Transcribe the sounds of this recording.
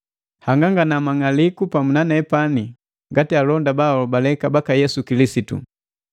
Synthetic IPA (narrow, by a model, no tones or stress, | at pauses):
haŋɡaŋɡanamaŋalikupamunanaɛpani | ŋɡatialɔndabaɔbalɛkabakajɛsukilisitṵ